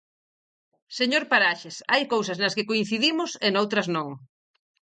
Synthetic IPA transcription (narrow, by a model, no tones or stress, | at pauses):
seɲoɾpaɾaʃesajkowsɐznɐskɪkoin̟θiðimʊsenowt̪ɾɐznõŋ